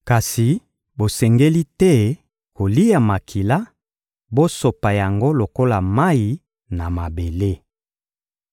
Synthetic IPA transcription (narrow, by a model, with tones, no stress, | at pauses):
ka˨si˨ | bo˨sɛ˨ŋɡe˦li˦tɛ˦ | ko˨li˦ja˨ma˨kʰi˨la˦ | bo˦so˨pa˨ja˨ŋɡo˦lo˨ko˦la˨ma˦i˨ | na˨ma˨be˨le˦